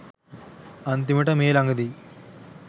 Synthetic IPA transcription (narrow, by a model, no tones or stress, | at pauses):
ɐnt̪imiʈɐmeːlɐŋɡɐd̪i